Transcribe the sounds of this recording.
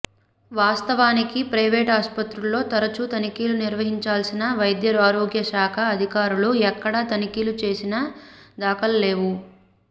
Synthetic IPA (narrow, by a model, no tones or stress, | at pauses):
ʋaːst̪ɐʋaːnikipɾɐjʋeːʈaːspɐt̪ɾulːo̞ːt̪ɐɾɐt͡ʃut̪ɐnikiːluniɾʋɐɦiɲt͡ʃaːlsinɐʋɐjd̪jɐɾaːɾoːɡjɐʃaːkʰɐːd̪ʱikaːɾuluɛkːɐɽɐt̪ɐnikiːlut͡ʃe̞ːsinɐd̪aːkɐlɐle̞ːʋu